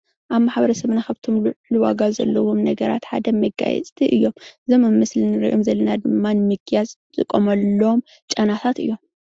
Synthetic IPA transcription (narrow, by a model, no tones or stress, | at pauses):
ʔaβmaħbɐɾɐsɐβnaxaβt̪ʰomlɨwaɡazɐ̰lːɐwomnɐɡɐɾa̰t̪ħa̰d̪ɐmɐɡa̰jɛ̰t͡sʼt̪ʰiʔɨjːo̞mɨzomɨmɨslɨnɨɾɨ̰ʔomzɐlːɐnad̪ɨmːanɨmɨkʰjazʼ | zɨkʼːomɐlːɐom | t͡ʃʼɐnat̪ʰat̪ɨ̰jːo̞m